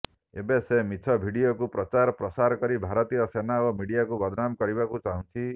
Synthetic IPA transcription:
ḛbesemitʰɔbʱiɽiokupɾɔt͡ʃaɾɔpɾɔsaɾɔkɔɾibʱaɾɔt̪ijɔsenaomiɽijakubɔd̪ʱnamkɔɾibakut͡ʃaɦũnt͡ʃʰi

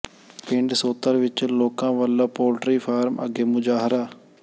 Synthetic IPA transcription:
pɪɳɖsoːt̪ːəɾʋɪt͡ʃloːkãːʋaːlːaːpoːlʈɾiːpʰaːɾmə̰ɡeːmʊd͡ʒaːɦɾaː

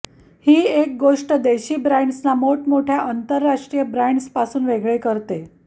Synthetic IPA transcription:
hiːek̚ɡoʂʈəd̪eɕiːbɾaɳɖsnamoʈmoʈʰjaʔant̪əɾːaʂʈɾijəbɾaɳɖspasuːnʋeɡɭekəɾt̪e

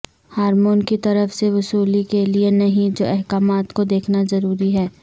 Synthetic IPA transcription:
haːɾmoːnkit̪ɐɾəfseʋʊsuːlikelienɐɦĩd͡ʒo̰ːʔɛɦkaːmaːt̪kod̪eːkʰnazɐɾuːɾiɦɛː

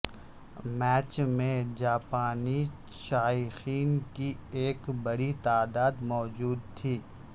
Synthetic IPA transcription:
mɛːt͡ʃmẽd͡ʒaːpaːni | ʃaːjxiːnkieːkbɐɽit̪aːd̪aːd̪mɔːd͡ʒuːd̪̚t̪ʰiː

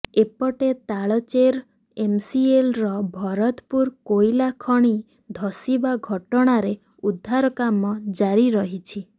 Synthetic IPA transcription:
epɔʈet̪aɭɔt͡ʃeɾ | emsielɾɔbʱɔɾɔt̪puɾkojlakʰɔɽ̃i | d̪ʱɔsibaɡʱɔʈɔɽ̃aɾe | ud̪ʱːaɾɔkamɔd͡ʒaɾiɾɔɦit͡ʃʰi

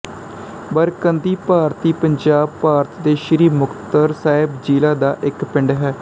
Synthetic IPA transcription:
bəɾkənd̪iːpaːɾt̪iːpəɲd͡ʒaːb̚paːɾt̪d̪eːʃɪɾiːmʊkt̪əɾsaːɪbd͡ʒiːlaːd̪aːʔɪkpɪɳɖɦɛː

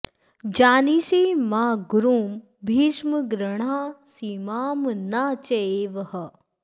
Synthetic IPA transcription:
d͡ʒaːniseːmaːɡuɾuːm | bʱiːʃməɡɾəɳaːsiːmaːmnaːt͡ʃɐeːʋɐhɐ

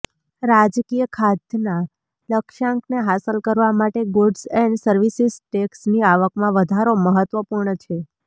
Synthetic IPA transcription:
ɾad͡ʒkijəkʰad̪na | ləkʃãŋkneɦasəlkəɾʋamaʈeɡoɖsɛɳɖsəɾʋisisʈeksniaʋəkmãʋəd̪ʱaɾoməɦət̪ʋəpuɾɳət͡ʃʰe

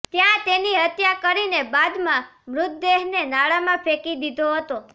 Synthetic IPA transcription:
t̪jãt̪eniɦət̪jakəɾinebad̪mãmɾʊt̪̚d̪eɦnenaɭamãfʰekid̪id̪ʱoɦət̪o

